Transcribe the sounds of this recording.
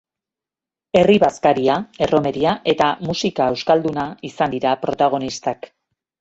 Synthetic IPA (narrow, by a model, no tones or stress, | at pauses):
e̞riβaskaɾiae̞ro̞me̞ɾiaʔe̞t̪amusikae̞wskald̪unaisand̪iɾapɾo̞t̪aɣ̞o̞nist̪ak